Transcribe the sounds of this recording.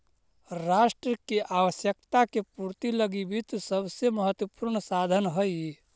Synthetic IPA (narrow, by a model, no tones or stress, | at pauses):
ɾaːʃʈɾəkiʔaːʋəsjəkt̪akepuɾt̪iləɡibʱit̪səbseməɦət̪wəpuɾɳəsaːd̪ʱənɦəi